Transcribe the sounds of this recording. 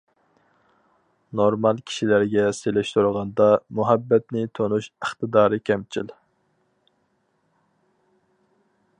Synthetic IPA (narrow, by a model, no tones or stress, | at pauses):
noɾmɑlˠkʲʰi̥ʃilæɾɡʲɛselɪʃt̪uɾʁɑnd̪ɑmuɦɛbːɛt̪nɪt̪ʰonuʃəχt̪ɨd̪ɑːɾɨkʲʰɛmt͡ʃʰil